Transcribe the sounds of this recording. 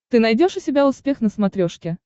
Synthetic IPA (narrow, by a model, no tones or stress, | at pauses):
t̪ɨnɐjdʲo̞ʂʊsʲɪbʲaʊspʲe̞xnəsmɐt̪ɾʲoʂkʲɪ